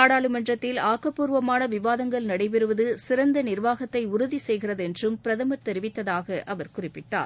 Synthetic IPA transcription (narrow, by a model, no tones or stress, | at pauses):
aːɽaːɭɯmɐndrɐt̪ːɪlaːkɐpːuːɾʋɐmaːnɐʋɪʋaːðɐŋɡɐɭnɐɽɐɪp̬ɛɾɯʋɐðɯsɪɾɐnd̪ɐnɪɾʋaːɣɐt̪ːɐɪʊɾʊðisɛjɣɪrɐðɛndrɯmpɪɾɐðɐmɐʈt̪ɛɾɪʋɪt̪ːɐðaːɣɐʔʔɐʋɐɾkʊrɪpːɪʈːa̰ːɾ